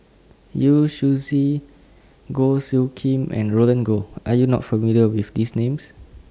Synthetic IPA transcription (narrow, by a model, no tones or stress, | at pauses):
juʃuzi | ɡosjukʰẽmʔɛ̰̃nɹolə̃nɡoʔajunɔ̰tfəmiliəwifdisnẽms